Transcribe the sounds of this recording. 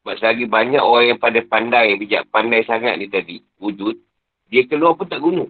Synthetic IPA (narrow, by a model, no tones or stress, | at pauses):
baʔsaɡibaɲakoɣaŋjaŋpadajpandajabid͡ʒa̰ʔpandajsaŋa̰t̪̚niht̪adi | ud͡ʒut̪̚ | diakəluapʊnt̪aʔɡunũ